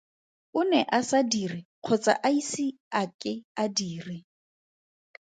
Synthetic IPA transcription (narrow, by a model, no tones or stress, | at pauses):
ʊnɛʔasadirɪq͡χʰɔt͡sʼa̰ʔaisɪ | akʼɪadiːrɪ